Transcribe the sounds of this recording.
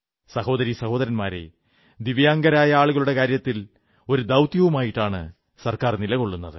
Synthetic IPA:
sɐho̞ːd̪ɐɾisɐho̞ːd̪ɐɾɐnmaːɾḛ | d̪iʋjaːŋɡɐɾaːjɐaːɭuɣɐɭuɽe̞kaːɾjɐt̪ːil | o̞ɾud̪ɐwt̪jɐʋumaːjiʈːaːɳɨ̰ | sɐrkaːrnilɐko̞ɭːunːɐðɨ

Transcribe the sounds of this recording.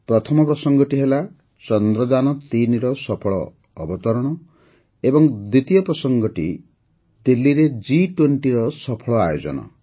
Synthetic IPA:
pɾɔt̪ʰɔmɔpɾɔsɔŋɡɔʈiɦela | t͡ʃɔnd̪ɾɔd͡ʒanɔt̪iniɾɔsɔpʰɔɭɔː | bɔt̪ɔɾɔɽ̃ɔ | ebɔŋd̪it̪ijɔpɾɔsɔŋɡɔʈḭ | d̪ilːiɾed͡ʒiʈweɳʈiɾɔsɔpʰɔɭɔajod͡ʒɔ̰nɔ̰

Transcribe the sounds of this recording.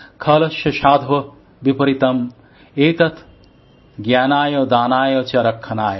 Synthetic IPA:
kʰɐːlɐʃjɐʃaːd̪ʱʋɐ | bipɐɾit̪ɐm | eːt̪ɐt̪ʰ | ɡjaːnaːjoːd̪aːnaːjoːt͡ʃɐɐɾɐkʰːɐnaːjɐ

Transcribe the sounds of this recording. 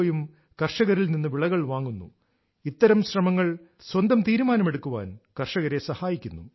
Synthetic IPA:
jum | kɐrʂɐɣɐɾilninːɨʋiɭɐɣɐɭʋaːŋːunːṵ | it̪ːɐɾɐmɕrɐmɐŋːɐɭ | swɐnd̪ɐmt̪iːɾumaːnɐme̞ɽukːuʋa̰ːnkɐrʂɐɣɐɾe̞sɐhaːjikʲːunːṵ

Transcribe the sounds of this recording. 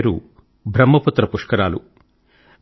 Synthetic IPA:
ɾṵ | bʱɾɐmːɐput̪ːɾɐpuʂkɐɾaːlu

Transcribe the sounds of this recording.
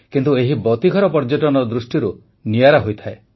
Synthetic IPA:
kint̪ueɦibɔt̪iɡʱɔɾɔpɔɾd͡ʒɔʈɔnɔd̪ɾusʈiɾu | nijaɾaɦojt̪ʰae

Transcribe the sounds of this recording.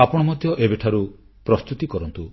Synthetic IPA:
apɔɽ̃ɔmɔd̪ʱjɔʔebeʈʰaɾu | pɾɔst̪ut̪ikɔɾɔnt̪u

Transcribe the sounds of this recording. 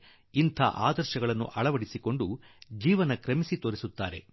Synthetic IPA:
int̪ʰɐ̰ʔa̰ːd̪ɐɾʃɐɡɐɭɐnːṵʔɐɭɐʋɐɽisiko̞ɳɖu | d͡ʒiːʋɐnɐkɾɐmisit̪oːɾisut̪ːaːɾe̞̰

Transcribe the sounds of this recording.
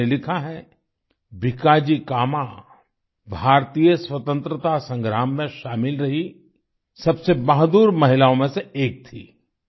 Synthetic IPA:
elɪkʰaɦɛ | bʱɪkaːd͡ʒikaːma | bʱaːɾt̪ijəswɐt̪ə̃nt̪ɾət̪asə̃ŋɡɾaːmːẽʃaːmɪlɾɐɦi | sɐbsebɐɦd̪uːɾmɐɦɪlaːõmẽseeːk̚t̪ʰḭː

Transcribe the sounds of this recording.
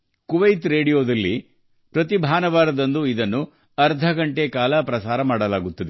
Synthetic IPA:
kuʋɐjt̪ɾe̞ːɽijoːd̪ɐlːi | pɾɐt̪ibʱaːnɐʋaːɾɐd̪ɐnd̪uid̪ɐnːu | ɐɾd̪ʱɐɡɐɳʈe̞kaːlɐpɾɐsaːɾɐmaːɽɐlaːɡut̪ːɐd̪e

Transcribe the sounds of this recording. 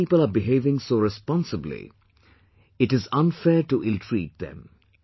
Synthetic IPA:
iːpələbɪɦeːvɪ̃ŋsoːɾɛspɔ̃nsəblḭ | ɪʈɪzʌ̃nfɛːʈuʔɪlʈʰɾiːt̚d̪ɛ̰̃m

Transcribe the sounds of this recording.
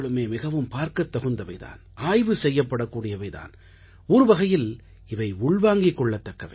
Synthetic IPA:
ɭɯmeːmɪɣɐʋɯmpaːɾkɐt̪ːɐɣɯnd̪ɐʋɐɪða̰ːn | aːjʋɯsɛjːɐpːɐɽɐkːuːɽɪjɐʋɐɪða̰ːn | ɔɾɯʋɐɣɐjɪl | ɪʋɐɪʊɭʋaːŋɡɪkːɔɭːɐt̪ːɐkːɐʋɐ

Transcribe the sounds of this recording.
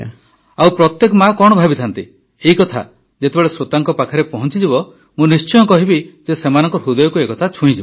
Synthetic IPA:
awpɾɔt̪jekɔmakɔɽ̃ɔbʱabit̪ʰant̪i | eikɔt̪ʰa̰ | d͡ʒet̪ebɔɭesɾot̪aŋkɔpakʰaɾepɔɦɔnt͡ʃid͡ʒibɔ | mũnist͡ʃɔjɔkɔɦibid͡ʒesemanɔŋkɔɾɦud̪ɔjɔkuekɔt̪ʰat͡ʃʰũĩd͡ʒibɔ

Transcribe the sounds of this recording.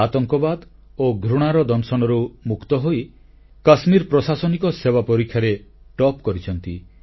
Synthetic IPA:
at̪ɔŋkɔbad̪oɡʱɾuɽ̃aɾɔd̪ɔnsɔnɔɾumukt̪ɔɦoi | kasmiɾpɾɔsasɔnikɔsebapɔɾikʰːjaɾe | ʈɔpkɔɾit͡ʃʰɔnt̪i

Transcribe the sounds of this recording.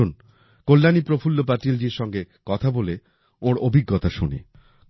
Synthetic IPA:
un | kolːanipɾofʰulːopaʈild͡ʑiɾʃɔŋɡekɔt̪ʰabole | oɾobʱiɡːot̪aʃunḭ

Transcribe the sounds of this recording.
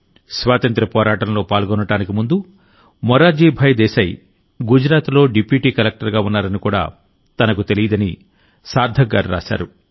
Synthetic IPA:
sʋaːt̪ɐnt̪ɾɐpɔːɾaːʈɐnlo̞ːpaːlɡɔnːɐɽaːnikimund̪u | mɔɾaːd͡ʒiːbʱɐjd̪ɛːsɐj | ɡud͡ʒɾaːt̪lo̞ːɖipiːʈiːkɐlek̚ʈɐɾɡaːunːaːɾɐnikuːɽa̰ː | t̪ɐnɐkut̪elijɐd̪ɐni | saːɾd̪ʱɐɡːa̰ːɾiɾa̰ːʃa̰ːɾu

